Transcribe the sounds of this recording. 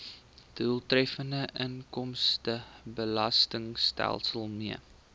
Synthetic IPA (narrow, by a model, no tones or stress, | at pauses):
d̥ulˠtrɛfəndəʔəŋkɔmstəbəlɐstəŋstæ̰lˠsəlˠmiə